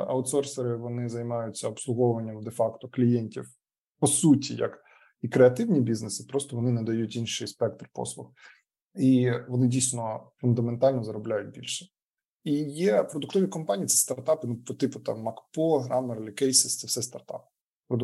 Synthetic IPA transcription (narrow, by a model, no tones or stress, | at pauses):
ɐ̰ʊt̪sɔrseɾɪʋɔnɪzɐjmɑjʊt͡sʲːɐɔpslˠʊɦɔʊʋɐnʲːɐmd̪efɑkt̪ɔklʲijɛnʲtʲiw | pɔsutʲijɐ̰k | ikɾeɐt̪ɪwnʲibʲiznesɪ̥pɾɔst̪ɔʋɔnɪnɐd̪ɐjutʲinʃɪjspɛk̚t̪rpɔ̰slˠʊx | iʋɔnɪdʲijsʲnɔfʊnd̪ɐment̪ɑlʲnɔzɐɾɔblʲajʊt̚ʲbʲḭlʲʃɛ̥ | ijɛpɾɔd̪ʊkt̪ɔʋʲikɔmpanʲiːt̪sɛ̥st̪ɐrt̪ɑpɪnupɔt̪ɪpʊt̪ɑ̰mːɐkpɔɦɾʔɑmeɾlʲɪkɛjsɪst̪sɛfsɛst̪ɐrt̪ɑ̰p | pɾɔd̪